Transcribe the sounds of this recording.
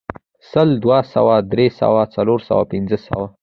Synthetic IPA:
səld̪wasa̰wad̪ɾesa̰wat͡saloɾsa̰wa̰pɪnzəsa̰wa

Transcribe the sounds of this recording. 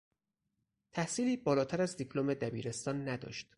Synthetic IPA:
t̪ʰæhsiːliːbɒːlɒːt̪ʰæɾæzd̪ipʰlomed̪æbḭːɾe̞st̪ɒːnːæd̪ɒ̰ːʃt̪

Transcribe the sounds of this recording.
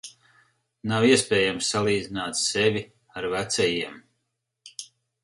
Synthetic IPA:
nawiɛspɛːjamsːalˠiːd̪zinaːt̪ssɛvʲi | aɾvæt̪sɛjiɛm

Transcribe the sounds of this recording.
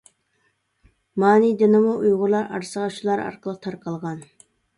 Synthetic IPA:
mɑːnid̪ɪnɪmuʔujʁʊɾlˠɑɾɑ̰ɾsəʁɑʃulˠɑɾɑ̰ɾqʰəlˠəq̚t̪ʰɑɾqʰɑlˠʁɑn

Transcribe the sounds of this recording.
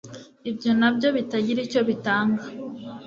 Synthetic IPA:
ibjo̞nabjo̞βitaɟiɾico̞βitaːŋɡa

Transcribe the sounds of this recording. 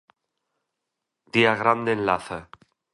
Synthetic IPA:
d̪̥iaɣɾand̪enlaθa

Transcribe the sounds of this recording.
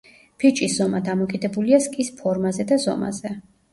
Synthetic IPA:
pʰit͡ʃʼisz̥ɔmad̪amɔkʼid̪ɛbuliaskʼispʰɔɾmazɛd̪azɔ̰ma̰zɛ

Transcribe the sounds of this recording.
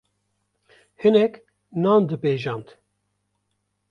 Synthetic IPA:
hɨnɛk | nɑːnd̪ɨbeːʒɑːnd̪

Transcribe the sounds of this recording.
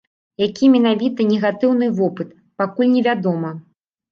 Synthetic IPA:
jakʲimʲɛnavʲit̪ɐnʲɛɣat̪ɨwn̪ɨvɔpɨt̪ | pakulʲnʲɛvʲad̪ɔmɐ

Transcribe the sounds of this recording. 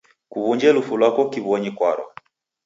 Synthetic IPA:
kuβuɲd͡ʒɛlufulwakɔkiβɔɲikwaɾɔ̰

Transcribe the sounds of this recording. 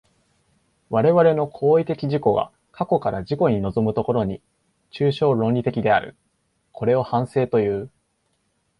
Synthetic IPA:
βaɾe̞βaɾe̞no̞kʰo̞ːit̪e̞kʲiʑiko̞ɡa̰ | kʰako̞kaɾaʑiko̞ɲ̟ino̞zo̞mɯ̟t̪o̞ko̞ɾo̞ɲ̟i | t͡ɕɨːɕo̞ːɾõ̞nʲɾʲit̪e̞kʲid̪e̞aɾɯ̟̰ | kʰo̞ɾe̞o̞hãɰ̃se̞ːt̪o̞jɯ̟ː

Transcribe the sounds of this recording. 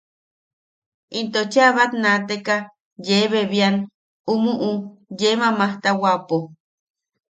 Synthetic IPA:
ʔint̪ot͡ʃeaβat̪nãt̪eka | jeβeβian | umuʔujemãmaht̪awapo

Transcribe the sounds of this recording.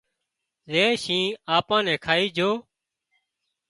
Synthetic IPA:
ɾeːʃĩːaːpãːnɛ̃ːkʰaːiːd͡ʒʱoː

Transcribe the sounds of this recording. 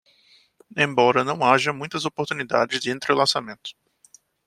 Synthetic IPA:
ẽj̃bɔɾɐnɐ̃w̃aʒɐmũj̃t̪ɐzopoɾt̪unid̪a̰d͡ʒɪzd͡ʒɪẽnt̪ɾelasamẽnt̪ʊ̥

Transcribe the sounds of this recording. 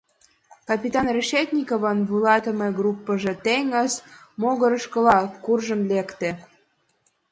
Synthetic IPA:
kɑpʲit̪ɑnreʃet̪ʲnʲikoβənβulɑt̪əmeɡrupːəʒĕt̪eŋəzmoɣə̆ɾə̆ʃkə̆lɑkurʒə̆mlekt̪ĕ

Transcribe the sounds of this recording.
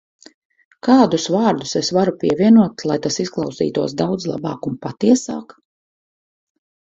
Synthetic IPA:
kaːd̪usvaːɾd̪usesvaɾupʲiɛvʲiɛnuɔt̪lˠajt̪asisklˠɑwsḭːt̪uɔsd̪awd̪zlˠa̰bɑ̰ːkunpat̪iɛsa̰ːk

